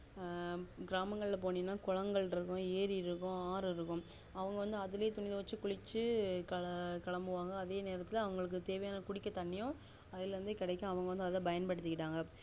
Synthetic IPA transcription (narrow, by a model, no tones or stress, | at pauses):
ɡɪɾaːmɐŋɡɐɭɪlɐpoːninːaːkʊɻɐŋɡɐɭɾɯkːʊ̃eːɾiɪɾɯkːʊ̃aːɾɯɪɾɯkːʊ̃ | ɐʋɐŋɡɐʋɐnd̪ɯɐðɪleːt̪ʊnɪðɐʋɐt͡ʃːɯkʊɻɪt͡ʃːɯkɐkɐɭɐmbɯʋaːŋɡɐːðeːneːɾɐt̪ːɪlɐɐʋɐŋɡɐɭɯk̬ːɯt̪eːʋɐjaːnɐkʊɽɪkʲːɐt̪ɐɳːɪjʊ̃ | ɐðɪlɾɐnd̪ɯkɪɽɐɪkʲːʊ̃ɐʋɐŋɡɐʋɐnd̪ɯɐðɐbɐjɐnpɐɽɯt̪ːɯkːɪʈːaːŋɡɐ